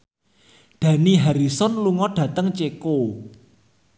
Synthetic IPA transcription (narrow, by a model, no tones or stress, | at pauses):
ɖ̥ä̤niɦaɾisɔnluŋɔɖ̥ä̤t̪əŋt͡ʃeko